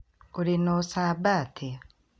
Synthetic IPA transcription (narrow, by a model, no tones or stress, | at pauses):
oɾinosaβaːtʰi